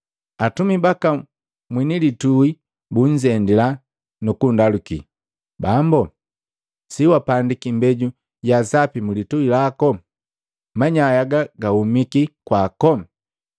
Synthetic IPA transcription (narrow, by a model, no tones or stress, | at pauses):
atumibaka | mwinilitui | buɲd͡ʒɛndila | nukundalukḭ | bambɔ | siwapandikimbɛɟu | ɟasapimulituilakɔ | maɲajaɡaɡahumikikwaːkɔ